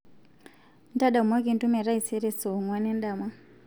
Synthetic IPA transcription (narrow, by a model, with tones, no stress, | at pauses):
n˦ta˦ɗa˨u˨mwa˦ki˦˨ntu˦mɛ˨ɾa˦i˨se˦ɾɛ˨so˨ŋwa˦ne˦n˦ɗa˨ma˦